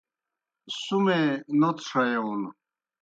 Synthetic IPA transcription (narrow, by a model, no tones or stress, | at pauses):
sumenot̪ʂajeun